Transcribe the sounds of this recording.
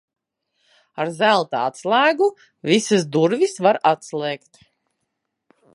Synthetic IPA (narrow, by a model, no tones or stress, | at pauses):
aɾzælˠt̪aat̪slˠaːɡu | visɨsd̪uɾvisvaɾat̪slˠɛːkt̪